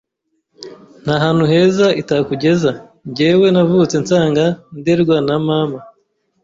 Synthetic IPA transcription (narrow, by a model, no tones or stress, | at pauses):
n̥haɦaːn̥huɦe̞zaitakuɟe̞za | ɲɟeːwe̞navut͡se̞nt͡saːŋɡandeɾɡwanamaːma